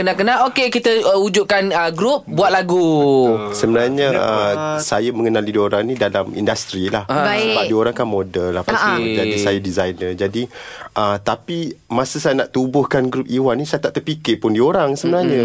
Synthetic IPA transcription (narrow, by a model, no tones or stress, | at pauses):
kənaʔkənaʔokekit̪əəud͡ʒʊʔ̚kanəɡɾup̚buat̪̚laɡu | səbənaɲəəsajaməŋənalidioɾaŋnĩdalamḭndast̪ɾilahbsəbadioɾaŋkanmodəlahpaid͡ʒadisajadizajnəd͡ʒadiʔət̪apimãsəsajanaʔt̪ubʊhkanɡɾup̚iwanisajat̪aʔt̪ərpikɪʔpʊndioɾaŋsəbənaɲã